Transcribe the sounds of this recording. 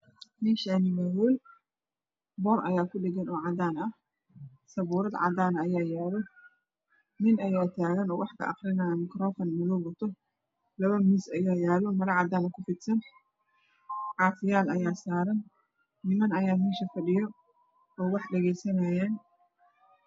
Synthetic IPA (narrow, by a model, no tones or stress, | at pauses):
mɪnʃanɪmawɔːl | bɔːrʔɐ̰jaːkʰʊɖɛɡɛnɔːʕɑd̪aːnɐh | sɐβuːɾɐd̪ʕɑ̰d̪aːnɐjaːjaːlɔ | mɪnɐjaːt̪ʰaːɣɐnɔːwɑħkʰɐ̰ʔɑ̰χɾɪnaːjɐmɪkɾɔːfɐnmɪlɔwɐt̪ʰɔ | lɐβɐmiːsɐjaːjaːlɔmɐɾɐʕɑd̪aːnɐkʰʊfɪt̪sɐn | ʕɑːfɪjaːlɐjaːsaːɾɐnː | ɪmɐnɐjaːmɪnʃɐfɐɖɪjɔ | ɔːwɑħɖɛɣɛjsɐnɐːjaːn